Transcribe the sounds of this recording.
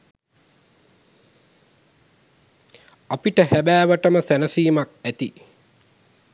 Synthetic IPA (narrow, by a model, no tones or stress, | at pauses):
apiʈəhæbæːʋəʈəməsænəsiːmak̚æt̪i